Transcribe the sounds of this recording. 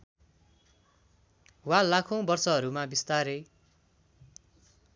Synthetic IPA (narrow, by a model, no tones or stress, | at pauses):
walakʰõbʌrsʌɦʌɾumabist̪aɾe